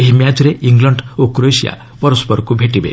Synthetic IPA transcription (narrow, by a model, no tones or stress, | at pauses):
eɦimjad͡ʒɔɾeʔiŋɡlɔɳɖokɾojsija̰ | pɔɾɔspɔɾɔkubʱeʈibḛ